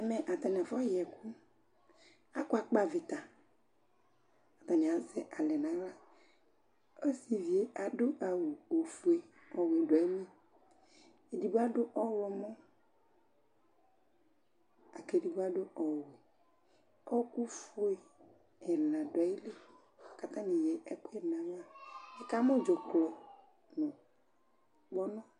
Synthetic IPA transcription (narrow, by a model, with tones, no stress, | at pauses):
ɛ˨mɛ̃˨ʔa˨t̪a˨nɛ˨vɔ˦jɛ˨ku˦ | a˦ku˦a˨k͡pa˦ve˨t̪a˨ | a˨t̪a˨nɛ̃˨a˨zɛ˦ʔa˨lɛ˨nã˨˦la˦ | o˦si˨vi˨e˦a˨do˦ʔa˨wu˨o˨fu˨e˨ | ɔ˨we˨dɔ˨e˦mĩ˦ | e˨di˨bu˦a˦ɖo˦ʔɔ˦wɔ˨mɔ̃˦ | a˨ke˨di˨bo˦a˦ɖo˦ʔɔ˨we˨ | ɔ˦ku˦fu˦e˨ | ɛ˨lã˨dɔ˨˦i˦le˦˨ | ka˦t̪ã˦nĩ˨jɛ˨ʔɛ˦ku˦ɛ˨nã˨˦wa˦e˦ka˦mɔ̃˦d͡ʒɔ˨klɔ˨ | nɔ̃˨ | ɡ͡bɔ˦nɔ̃˦